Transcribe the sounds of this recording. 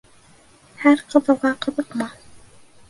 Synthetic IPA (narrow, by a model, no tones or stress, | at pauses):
hæɾqɤ̆ðɤ̆wˠʁɑqɤ̆ðɤqmɑ